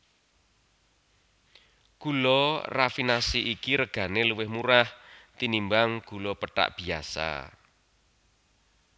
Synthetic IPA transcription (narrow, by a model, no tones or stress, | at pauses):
ɡ̥ulɔrafinasiʔikiɾəɡ̥a̤neluwɪhmuɾaht̪inimbaŋɡ̥ṳlɔpəʈa̰ʔb̥i̤a̰sa̰